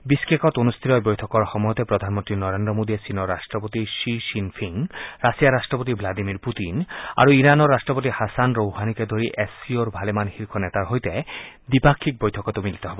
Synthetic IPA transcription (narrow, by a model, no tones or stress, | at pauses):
biskekɔt̪onust̪ʰiɾɔebojt̪ʰɔkɔɾxɔmɔjɔt̪epɾod̪ʱanmont̪ɾinɔɾend̪ɾomod̪ʱiesinɔɾːaʃʈɾɔpot̪iʃiʃinfʰiŋɾasijaɾaʃʈɾopot̪̬iblad̪imiɾput̪ina̰ɾuiɾanɔɾːaʃʈɔpot̪ihasanɾowhaniked̪ʱoɾiʔesioɾbʱalemanxiɾkʰɔnɛt̪aɾɦojt̪ed̪ipakʰːik̚bojtʰɔkɔt̪omilit̪ɔɦɔbɔ